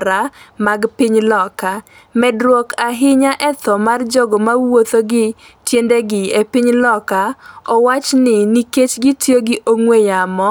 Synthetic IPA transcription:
ɾamaɡpɪɲlɔka | mɛdɾwokaɦɪɲaʔɛt̪ɔmard͡ʒɔɡɔmawot̪oɡɪ | tjendeɡɪepɪɲlɔkaɔwat͡ʃnɪniket͡ʃɡɪtjoɡɪʔoŋwejamɔ

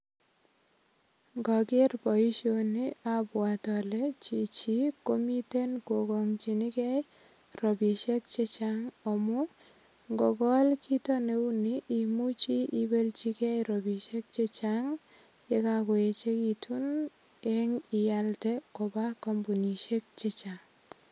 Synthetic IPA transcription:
ŋɡɔkerpɔiʃoniabwatɔlɛt͡ʃit͡ʃikomitenkokɔŋt͡ʃinikɛj | rɔbiʃek̚t͡ʃet͡ʃaŋɔmu | ŋɡɔkɔlkʰitɔneuniʔimut͡ʃiʔibelt͡ʃikɛjɾɔbiʃek̚t͡ʃet͡ʃaŋ | ekakoet͡ʃekitʰun | eŋijaltɛkobakɔmbuniʃek̚t͡ʃet͡ʃaŋ

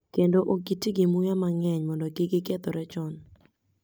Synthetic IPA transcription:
kendoʔoɡitiɡɪmʊjamaŋɛɲmɔndɔɡɪɡɪɡɛt̪ɔɾɛt͡ʃɔn

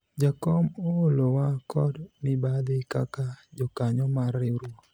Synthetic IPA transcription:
d͡ʒakɔmoolowakɔdnɪbad̪ɪkakad͡ʒɔkaɲɔmarːɪɾo

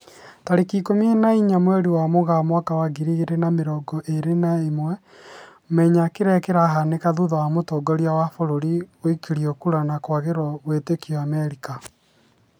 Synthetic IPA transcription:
taɾekikomienaiɲamwɛɾiwamoɣamwakawaɣiɾiɣeɾenameɾɔɡɔʔeɾenaemwɛ | mɛɲakeɾɛkeɾaɦanekaðuðawamotɔːɡɔɾjawafoɾoɾioikiɾiokuɾanakwaɣeɾwawetekiamɛɾika

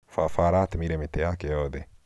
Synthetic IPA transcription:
fafaɾat̪miɾemit̪ejakejoːd̪e

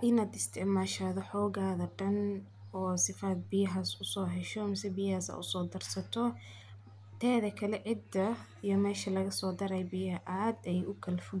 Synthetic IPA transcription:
ʔɪnaːd̪ɪst̪ʰɪʕmaːʃaðɔħɔːɣaːðɐɖɐn | ɔːsɪfaːd̪̚bɪjɐɦaːsʊsɔːɦɛʃɔmɪsɛbɪjɐhaːsɐ̰ːʊsɔːd̪ɐrsɐt̪ʰɔ | t̪ʰɛːðɐkʰɐlɛʕɪd̪ɐ | ijɔmɛːʃɐlɐɣɐsɔːd̪ɐɾɛjbɪjɐɐʔaːd̪ɛjʊkʰɐlfʊ

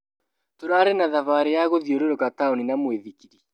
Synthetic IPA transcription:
toɾaːɾenaðavaɾejaɣoðioɾeɾoɣataoninamweðikiɾi

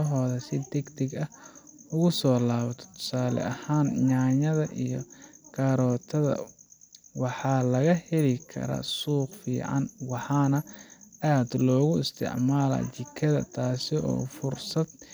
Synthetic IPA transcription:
ɦɔːðɐsɪd̪ɛɡd̪ɛɡɐʊɣʊsɔːlaːβɐt̪ʰɔ̥t̪ʰːʊ̥saːlɛ̰ʔɐhaːnɲaːɲɐðɐʔijɔkʰaːɾɔːt̪ʰɐðɐ̰ | wɑħɑːlɐɣɐhɛlɪkʰɐ̰ɾɐ̰suːqfḭːʕɑ̰nwɑħɑːnɐaːd̪lɔːɣʊɪst̪ʰɪ̰ʕmaːlɐ̰t͡ʃɪkʰɐðɐ̰t̪ʰaːsɪɔ̰ːfʊrsɐd̪̚

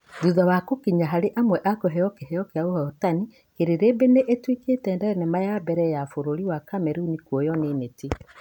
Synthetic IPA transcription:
ðuðawakokiɲaɦaɾeʔamwɛʔakoɦɛjɔkehɛjɔkeaohɔɔtani | keɾeɾebeneʔetwiketɛːndɛɾɛnɛmajabɛɾɛjafoɾoɾiwakamɛɾunikwɔjɔneneti

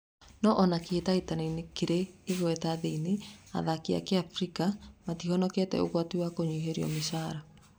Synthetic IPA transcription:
nɔʔɔnakeːtaitanainekiɾeiɣwɛtaðeinea̰ðakea̰keafɾikamatihɔnɔkɛtɛ̰oɣwatiwakoɲuɦeɾiɔ̰mesaɾa

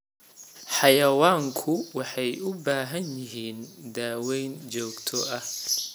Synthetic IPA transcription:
ħɑjɐwaːŋkʰʊwɑħɑjʊbaːɦɐnjɪɦiːnd̪aːwɛjnt͡ʃɔːɡt̪ʰɔʔɐh

